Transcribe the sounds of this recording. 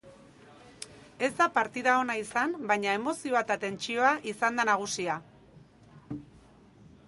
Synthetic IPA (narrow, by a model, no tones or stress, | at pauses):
e̞zd̪apaɾt̪iðao̞naisambajɲae̞mo̞sio̞at̪at̪e̞nt͡ʃio̞aʔisand̪anaɣ̞usia